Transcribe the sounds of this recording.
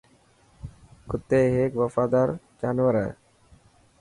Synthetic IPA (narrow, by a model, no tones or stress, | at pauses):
kʊt̪ːeːɦeːkʋəfaːd̪aːɾ | d͡ʒaːnʋəɾə̰